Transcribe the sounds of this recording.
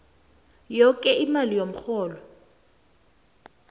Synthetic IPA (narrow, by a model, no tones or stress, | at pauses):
jɔkʼɛimalijom̩k͡xɔːlɔ